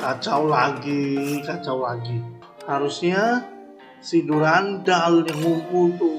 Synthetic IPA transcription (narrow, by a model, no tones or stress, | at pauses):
kat͡ʃawlaɡikat͡ʃawlaɡi | haɾusɲa | siduɾandalɲaŋumpult̪u